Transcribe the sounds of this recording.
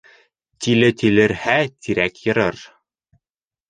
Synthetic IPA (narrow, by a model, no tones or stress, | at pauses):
t̪ilɘt̪ilɘ̆ɾhæt̪ʰiɾækjɤ̆ɾɤɾ